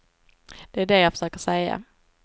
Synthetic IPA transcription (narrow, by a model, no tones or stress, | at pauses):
d̪̥ɛæɖɛjafə̥ʂøːkəsɛjːa̰